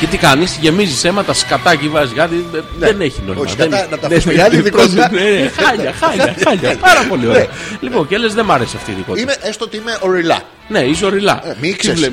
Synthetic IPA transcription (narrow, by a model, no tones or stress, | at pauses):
cet̪ikɐnist̪iʝe̞mizise̞mɐt̪ɐskɐt̪ɐcivɐzɣɐt̪iðene̞çino̞̰iomɐðɐenɐnɐt̪ɐefɐniðionenexɐʎɐxɐaʎɐɐʎɐpɐɾɐpo̞lioɐlipo̞ncele̞zðemɐɾe̞siɐft̪iːðiko̞tieeɐest̪oot̪iimeʔoɾilɐ̰ | ne̞iso̞ɾilɐ̰emikse